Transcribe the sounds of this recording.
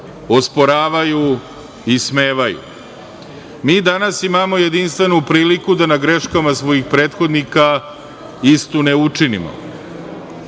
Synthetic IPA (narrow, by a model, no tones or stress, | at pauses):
ospo̞ɾaːʋaju | isme̞ːʋajṵ | miːd̪anasimamo̞je̞d̪inst̪ʋe̞nupɾiːlikud̪anaɡɾe̞ʃkamasʋo̞jixpɾe̞ːt̪xo̞d̪nika | ist̪uneut͡ʂinḭmo̰